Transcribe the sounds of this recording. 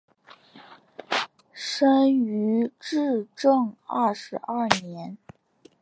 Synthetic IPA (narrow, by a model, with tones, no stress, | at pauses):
ʂə˥ny˧˥ʈ͡ʂɻ̩˥˧ʈ͡ʂɤ˥˧ŋɐ˥˩ʂɻ̩˧˥ʔɐ˥˩njɛ˧˥n